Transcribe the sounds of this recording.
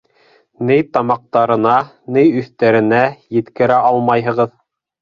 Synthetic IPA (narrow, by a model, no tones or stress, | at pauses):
nɘjt̪ɑmɑq̚t̪ɑɾɤ̆nɑ | nɘjɵ̆θt̪æɾɘ̆næjɘ̆t̪kɘ̆ɾæʔɑlˠmɑjɦɤ̆ʁɤð